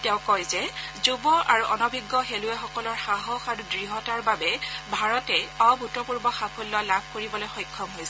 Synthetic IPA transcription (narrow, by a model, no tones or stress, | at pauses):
tɛʊ̃kɔjzɛzubɔʔaɹuʔɔnɔbʱiɡːɔxeluɛxɔkɔlɔɹxaɦɔxaɹudɹiɦɔtaɹbabɛbʱaɹɔtɛɔbʱutɔpuɹbɔxapʰulːɔlabʱkoɹibɔlojxɔjkʰːɔmɦojsɛ